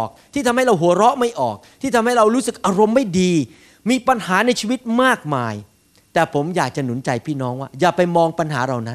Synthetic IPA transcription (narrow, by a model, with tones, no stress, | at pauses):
k̚t̪ʰiː˥˩t̪ʰa˧mɦa˥˩jɾa˧wɦu˩˦ɐɾɔ˦˥ʔma˥˩jʔɔː˨˩k̚t̪ʰiː˥˩t̪ʰa˧mha˥˩jɾa˧wɾuː˦˥sɯ˨˩k̚ʔaː˧ɾo˧mːa˥˩jdiː˧ | miː˧pa˧nhaː˩˦na˧jt͡ɕʰiː˧wi˦˥t̪̚maː˥˩k̚maː˧j | t̪ɛː˨˩pʰo˩˦mjaː˨˩k̚t͡ɕa˨˩nu˩˦nt͡ɕa˧jpʰiː˥˩nɔː˦˥ŋwaː˥˩jaː˨˩pa˧jmɔː˧ŋpa˧nɦaː˩˦ɾa˨˩wna˦˥n